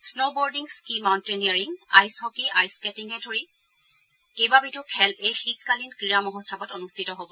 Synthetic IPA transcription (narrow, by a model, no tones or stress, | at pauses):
snobɔɹdiŋskimawnteniaɹiŋa̰jshɔkiʔajskɛtiŋɛdʱoɹi | kejbabitʊkʰɛlejxit̚kalinkɹijamɔɦɔtʰːabɔtonustʰitɔɦobɔ